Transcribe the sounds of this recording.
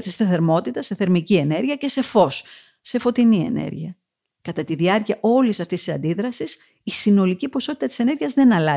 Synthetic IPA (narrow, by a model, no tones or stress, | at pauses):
sist̪ɐθe̞ɾmo̞t̪it̪ɐseθe̞ɾmicie̞ne̞ɾʝiɐce̞se̞fo̞sː | e̞fo̞t̪inie̞̰nḛɾʝiɐ | kɐt̪ɐt̪iðiɐɾciɐʔo̞lisɐft̪est̪isɐ̰nd̪iðɾɐsis | isino̞licipo̞so̞t̪it̪ɐt̪i̥se̞ne̞ɾʝiɐzðe̞nɐlɐ